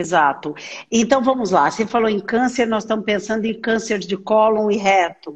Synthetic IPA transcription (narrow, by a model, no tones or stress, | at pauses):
ezat̪ʊẽnt̪ɐ̃w̃vɐ̃mʊzlasefaloẽj̃kɐ̃seɾnɔzst̪ɐ̃mʊspẽsɐ̃nd̪ʊẽj̃kɐ̃seɾzd͡ʒɪkɔlõw̃ɪɦɛt̪ʊ